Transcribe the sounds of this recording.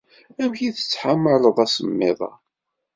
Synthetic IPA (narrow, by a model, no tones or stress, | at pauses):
æmçiθə̥t͡sːħamːəlˤəðˤæsəmːɪ̰ðˤɑ̰